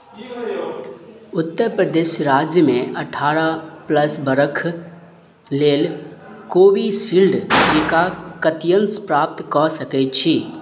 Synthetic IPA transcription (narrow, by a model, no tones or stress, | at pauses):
ʊt̪ːəɾpɾəd̪eːʃɾaːd͡ʒjəmẽəʈʰaːɾapləsbəɾəkʰ | leːlkoːwisiːlɖd͡ʒɪkakət̪jənspɾaːp̚t̪kɔsəkɛt͡ʃʰiː